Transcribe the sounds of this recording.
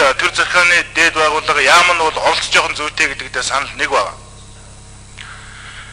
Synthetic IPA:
t̪ʰert͡sʰæχʲχaːniːt̪eːt̪̚pæːʁʊːɮə̆χjaːmə̆nʊːɮɔɬt͡st͡ɕɔːχənt͡sujʰt̪ʰeːɡet̪ɘ̆k̚t̪ʰeːsanə̆ɮnekpæːʁa̰ː

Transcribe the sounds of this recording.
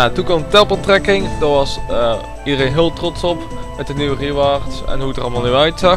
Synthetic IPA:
atukɔmtɛpəlˠtrɛkɪŋdɔʋɑs | idərenɦɪːəlˠtrɔtsɔp | mɛtdəniʋəriəʋaːrtsɛ̰nɦuətərɑlˠmalˠnyœɥtsa

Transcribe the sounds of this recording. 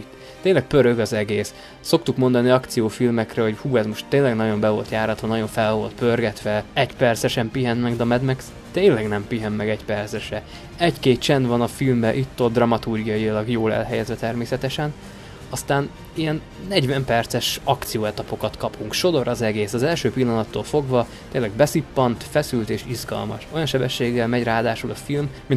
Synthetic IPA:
t̪eːnlɛk̚pøɾøɡɒzɛɡeːs | so̞kt̪ukmo̞nd̪ɒniɒkt̪sijoːfilmɛkrɛho̞ɟhuːɛzmo̞ʃt̪ːeːnlɛɡnɒɟo̞mbɛvo̞̰lt̪jaːɾɒt̪ʋɒnɒɟo̞ɱfɛlvo̞lt̪pørɡɛt̪ʋɛɛɟpɛrt̪sɛʃɛmpiɦɛnmɛɡd̪ɒmɛd̪mɛk | t̪eːnlɛɡnɛmpiɦɛmːɛɡɛɟpɛrt̪sɛʃɛ | ɛɟkeːt̪̚t͡ʃɛnd̪vɒnɒfilmbɛʔit̪ːod̪rɒmɒt̪urɡijɒjilɒɡjoːlɛ̰lɦɛjɛzʋɛt̪ɛrmeːsɛt̪ɛʃɛn | ɒst̪aːn | ijɛnː | ɛɟvɛmpɛrt̪sɛʃɒkt̪sijoːɛt̪ɒpo̞kɒt̪kɒpʰuŋkʃo̞d̪o̞ɾɒzɛɡeːsɒzɛlʃøːpilːɒnɒt̪ːoːlfo̞ɡvɒ | t̪eːnlɛɡ̚bɛsipːɒnt̪fɛsylt̪eːʃizɡɒ̰lmɒ̰ʃo̞jɒnʃɛbɛʃːeːɡːɛlmɛɟraːd̪aːʃulɒfilmmin

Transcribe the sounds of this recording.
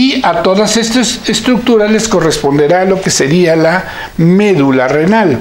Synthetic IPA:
iat̪o̞ðase̞st̪asest̪ɾuk̚t̪uɾale̞sko̞re̞spo̞nd̪e̞ɾalo̞ke̞se̞ɾiala | me̞ðulare̞nal

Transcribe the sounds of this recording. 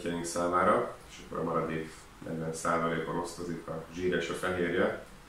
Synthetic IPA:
cɛjiŋksaːmaːɾɒeːʃɒkːoɾɒ̰mɒɾɒd̪i | nɛ̰ɟʋɛnsaːvɒleːkono̞stozikɒʒiːɾɛːʃɒfɛɦeːrjɛ

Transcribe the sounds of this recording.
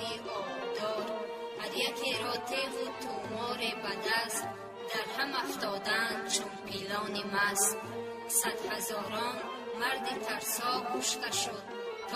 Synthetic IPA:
iʔɔbd̪ɔɾ | haɾjakʰeɾɔt̪ʰevut̪ʰumɔːɾebad̪ast̪ | d̪aɾhamaft̪ɔd̪and̪t͡ʃʰunpʰilɔːnimas | sad̪hazɔɾɔn | maɾd̪it̪ʰaɾsɔɡuʃt̪aʃud̪̚ | t̪ʰ

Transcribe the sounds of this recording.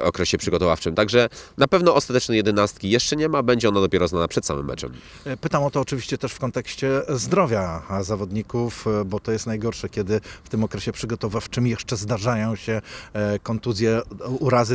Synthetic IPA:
ɔ̰kɾɛɕɛpʂɘɡɔt̪ɔva̰ft͡ʂɘmt̪aɡʐɛnapɛvnɔɔst̪at̪ɛt͡ʂnɛjɛd̪ɘnast̪kʲijɛʂt͡ʂɛɲɛmabɛɲd͡ʑɛɔnad̪ɔpʲɛɾɔznanapʂɛt̪sa̰wɘ̰mːɛ̰t͡ʂɛ̰m | pɘt̪amɔt̪ɔːt͡ʂɘvʲiɕt͡ɕɛt̪ɛʂfkɔnt̪ɛkɕt͡ɕɛzd̪ɾɔvʲjazavɔd̪ɲikufbɔt̪ɔjɛst̪najɡɔɾʂɛkʲɛd̪ɘft̪ɘmɔkɾɛɕɛpʂɘɡɔt̪ɔvaft͡ʂɘmjɛʂt͡ʂɛzd̪aʐajɔ̃w̃ɕɛkɔnt̪uzʲjɛuɾazɘ

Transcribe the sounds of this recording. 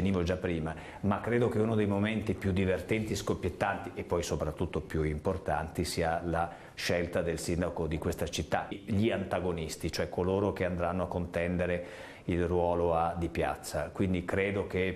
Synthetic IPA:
eniːvod͡ʒapːɾiːma | makːɾeːd̪okeunod̪ejmoment̪ipjud̪ːivert̪ɛnt̪iskopjet̪ːant̪iepːɔjsopɾat̪ːut̪ːopjuimport̪a̰nt̪isiːala | ʃelt̪ad̪elsind̪akod̪ikwest̪at͡ʃit̪ːaʎiant̪aɡonist̪it͡ʃoɛkːoloːɾokeand̪ɾanːoakːont̪ɛnd̪eɾe | ilrwɔːload̪ipja̰t̪sːakwind̪ikɾeːd̪ok̟e

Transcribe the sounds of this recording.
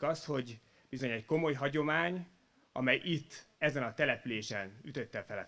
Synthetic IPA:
kɒst̪ho̞ɟ | b̥izo̞ɲɛcko̞mo̞jɦɒɟo̞maːɲ | ɒ̰mɛjit̪ːɛzɛnɒt̪ɛlɛpyleːʃɛnyt̪ø̞t̪ːɛfɛlɛ̰

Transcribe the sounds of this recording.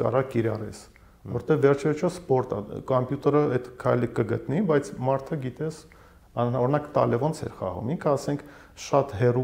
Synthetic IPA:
kɑ̰ɾɑkiɾɑrɛ̰s | vɔ̰ɾɛt̪ɛvːɛrt͡ʃʰivɛt͡ʃʰɔspɔɾt̪ə̰kɔmpjut̪ɛɾəɛt̪kʰɑjləkəɡət̪nibɑjt͡sʰmɑɾt̪ʰəɡit̪ɛs | ɑɔɾinɑkt̪ɑ̰lɛvɔnt͡sʰɛ̰ɾχɑ̰ʁṵmiŋkʰəɑsɛŋkʰ | ʃɑt̪ɦɛru

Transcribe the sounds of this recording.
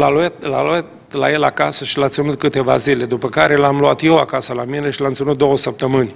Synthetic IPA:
laluat̪lalet̪ | laje̞lakasəʃilat̪sʲunut̪̚kɨt̪e̞va̰zile̞d̪upəkaɾe̞lamluat̪jewakasəlamine̞ʃilamt̪sinut̪̚d̪o̞wəsəp̚t̪əmɨnʲ

